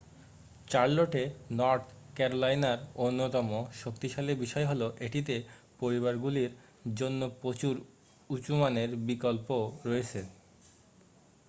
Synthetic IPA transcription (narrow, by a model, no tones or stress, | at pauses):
t͡ɕaɾloʈenɔɾt̪ʰkɛɾolajnaɾonːot̪ɔmoʃokt̪iʃalebiʃɔeɦoloʔeʈit̪̬e | poɾiβaɾɡuliɾ | d͡ʑonːopɾot͡ɕuɾ | ut͡ɕumaneɾbikolpoɾɔet͡ɕʰe